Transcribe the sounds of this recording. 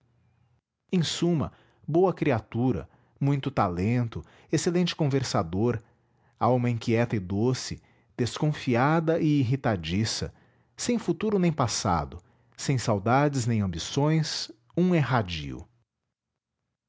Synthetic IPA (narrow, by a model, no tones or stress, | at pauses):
ẽj̃sũmɐ̰ | bowɐkɾiat̪uɾɐ̰ | mũj̃t̪ʊt̪alẽnt̪ʊ | eselẽnt͡ʃɪ̥kõveɾsad̪oɾ | awmɐĩŋkiɛt̪ɐɪd̪osɪ | d̪̥eskõfiad̪ɐʔɪːɦit̪ad͡ʒisɐ̰ | sẽj̃fut̪uɾʊnẽj̃pasa̰d̪ʊ | sẽj̃sawd̪ad͡ʒɪznẽj̃ɐ̃mbisõj̃s | ũɛɦad͡ʒḭʊ̰